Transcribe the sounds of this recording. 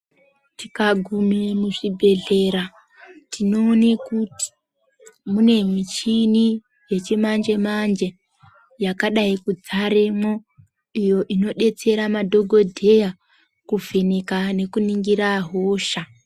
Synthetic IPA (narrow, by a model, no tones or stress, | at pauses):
tikaɡʱumemuʐibʱe̞ɮe̞ɾa | tino̞ːnekuti̥ | mune̞mit͡ʃini | je̞t͡ʃemand͡ʒe̞mand͡ʒe̞ | jakaɗaikud͡zaɾemo̞ | ijo̞ʔino̞ɗe̞t͡se̞ɾamadʱo̞ɡʱo̞dʱe̞ja | kuvinikane̞kuniŋɡiɾaɦo̞ːʃa